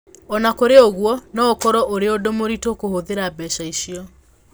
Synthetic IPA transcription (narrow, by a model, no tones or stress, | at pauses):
ɔnakoɾeoɣwɔnɔokɔɾɔʔoɾeodomoɾitokohoðeɾabɛʃaiʃiɔ